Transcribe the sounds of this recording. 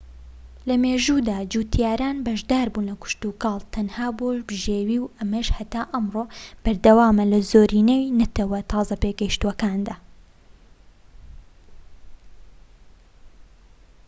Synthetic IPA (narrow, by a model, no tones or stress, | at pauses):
lɐmeːʒuːd̪aːd͡ʒuːt̪ʰjaːɾaːnbɐʒd̪aːɾbuːnlɐkʊ̥ʃt̪uːkɑːlˠt̪ʰɐnhaːboɔʃbɨʒeːwiːwʔɐmɐʃhɐt̪aːʔɐmroːb̥ɐɾd̪ɐwaːmɐlɐzoːɾiːnɐwinɐt̪ɐwɐt̪ʰɑːzɐpeɡɐjiʃt̪uwɐkaːnd̪aː